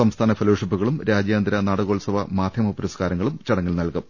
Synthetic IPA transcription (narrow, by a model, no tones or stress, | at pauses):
sɐmst̪ʰaːnɐfeloːʂipːuɣɐɭumɾaːd͡ʑjaːnd̪ɾɐnaːɽɐɣoːɭsɐʋɐmaːd̪ʱjɐmopːɐɾɐskaːɾɐŋːɐɭumt͡ɕɐɽɐŋːɐlnɐlkɨ